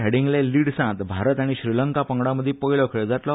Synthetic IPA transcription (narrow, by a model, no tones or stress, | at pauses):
ɦeɽĩŋɡleliːɽsãt̪bʱaɾət̪aɽ̃iɕɾiləŋkapəŋɡɽaməd̪ʱːjepəjlɔkʰɭed͡zaʈ̪lɔ